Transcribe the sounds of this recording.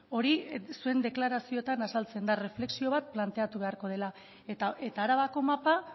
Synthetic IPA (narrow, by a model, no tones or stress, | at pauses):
o̞ɾisue̞nd̪e̞klaɾasio̞t̪anasalt͡se̞nd̪are̞fle̞ksio̞β̞at̪̚plant̪e̞at̪uβe̞aɾko̞ð̞e̞la | t̪ae̞t̪aːɾaβako̞mapa